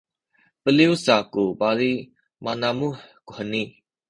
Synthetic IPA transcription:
pəliusakubaɾi | manamuhkuhəni

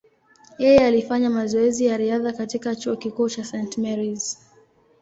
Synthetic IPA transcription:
jɛjɛalifaɲamazɔɛzijaɾiaðakatikat͡ʃuɔkikuːt͡ʃasɛntmɛɾiz̥

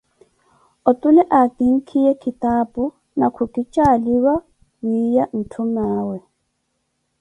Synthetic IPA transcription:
ɔtʼulɛʔatiŋ̩kʰijɛkʰitapʼʊ | nakʰukʼit͡ʃʼaliwa | wijan̩tʰumaːwɛ

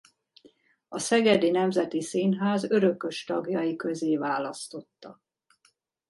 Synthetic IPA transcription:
ɒsɛɡɛd̪inɛmzɛt̪isiːnɦaːzø̞ɾø̞kø̞ʃt̪ɒɡjɒjikø̞zeːvaːlɒst̪o̞t̪ːɒ

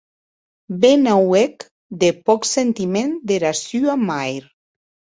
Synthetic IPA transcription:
benawek | d̪epɔksent̪imend̪eɾasyamajɾ

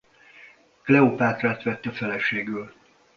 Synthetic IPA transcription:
klɛopaːt̪raːt̪ʋɛt̪ːɛfɛlɛʃeːɡyl

